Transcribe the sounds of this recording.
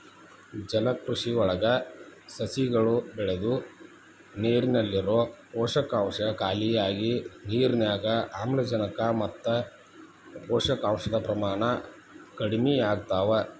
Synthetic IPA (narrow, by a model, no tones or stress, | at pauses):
d͡ʒɐlɐkɾuʂiɔɭɐɡɐsɐsiɡɐɭubɛɭed̪u | neːɾinɐlːiɾoːɔːʂɐkaːmʂɐkaːlijaːɡiniːɾnjaːɡɐʔaːmlɐd͡ʒɐnɐkɐmɐt̪ːɐ | ɔːʂɐkaːmʂɐd̪ɐpɾɐmaːɳɐ | kɐɽimijaːɡut̪aːʋɐ